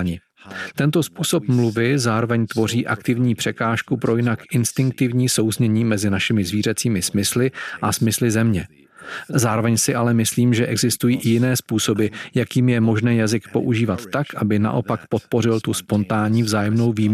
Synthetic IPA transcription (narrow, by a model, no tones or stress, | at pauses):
ɲɪ | t̪ɛnt̪o̞spuːso̞pmluvɪzaːɾo̞vɛɲt̪vo̞riːʔa̰kt̪ɪvɲiːpr̝̥ɛkaːʃkupɾo̞jɪnakʔɪnst̪ɪŋk̚t̪ɪvɲiːso̞wzɲɛɲiːmɛzɪnaʃɪmɪzviːɾ̝ɛt͡siːmɪsmɪslɪʔasmɪslɪzɛmɲɛ | zaːɾovɛɲsɪʔalɛmɪsliːmʒɛʔɛɡzɪst̪ujiːʔɪjɪnɛːspuːso̞bɪjakiːmjɛmo̞ʒnɛːjazɪkpo̞̰ʔuʒiːvat̪ːakʔabɪna̰ʔo̞pakpot̪̚po̞ɾɪlt̪uspo̞nt̪aːɲiːvzaːjɛmno̞wviːm